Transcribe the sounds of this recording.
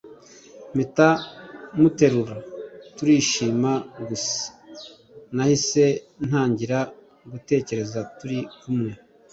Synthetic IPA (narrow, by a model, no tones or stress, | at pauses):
mitamute̞ɾuɾatuɾiːʃiːmaɡus | nahise̞ | n̥aːɲɟiɾa | ɡute̞ːce̞ɾe̞zatuɾikumŋe